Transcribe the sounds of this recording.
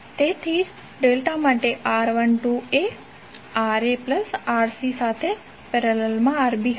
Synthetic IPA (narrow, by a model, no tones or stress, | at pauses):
t̪et̪ʰid͡ʒ | ɖelʈamaʈeʔaɾʋənʈue | aɾepləsaːɾsisat̪ʰe | pɛɾelelmãaɾbiɦ